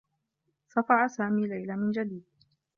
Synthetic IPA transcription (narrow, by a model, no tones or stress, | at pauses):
sˤɑfɑʕasaːmiːlajlaːmɪnd͡ʒad̪iːd̪̚